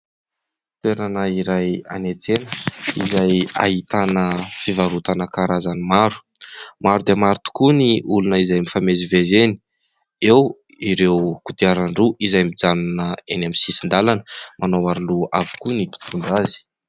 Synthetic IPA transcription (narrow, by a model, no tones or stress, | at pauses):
t̪eɾanəiɾaja̰net͡s̪enəizaja̰ɦit̪anəfivaɾut̪anəkaɾazanimaɾu̥ | maɾud̪emaɾut̪u̥kuniulunəizajmifamezivezeni̥ | ew | iɾewkud̪iaɾaɳɖ͡ʐuʔizajmid͡zanunəenamisisind̪alanəmanowaɾuluavu̥kunipi̥t̪ʰuɳɖ͡ʐazi̥